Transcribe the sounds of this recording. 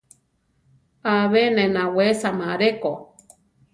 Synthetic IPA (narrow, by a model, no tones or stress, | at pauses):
aβenẽnawesamaɾeko